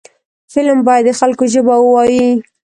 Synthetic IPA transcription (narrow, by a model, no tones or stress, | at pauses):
fɪlmbɑjad̪ːəxalkoʒəbawəwɑji